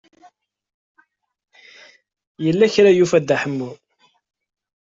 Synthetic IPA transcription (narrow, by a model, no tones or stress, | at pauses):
jəlːæçɾajufæd̪ːaħəmːu